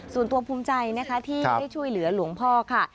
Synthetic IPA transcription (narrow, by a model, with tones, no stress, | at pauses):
su˨˩nt̪u˧ɐpʰuː˦˥mt͡ɕa˧jna˦˥kʰa˦˥t̪ʰiː˥˩a˥˩jt͡ɕʰu˥˩əjlɯ˩˦ɐlu˩˦əŋpʰɔː˥˩kʰa˥˩